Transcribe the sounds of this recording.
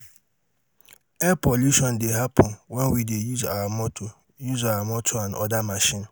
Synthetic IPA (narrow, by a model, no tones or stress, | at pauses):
ɛpɔluʃɔ̃ndeɦapʰɔnwɛnwidejuzawamɔto | juzawamɔtʰoanʔɔ̰damaʃĩn